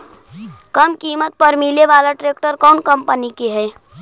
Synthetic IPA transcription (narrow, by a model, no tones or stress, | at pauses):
kəmkimət̪̚pəɾmileʋalaʈɾek̚ʈəɾkɔnkəmpənikeɦɛj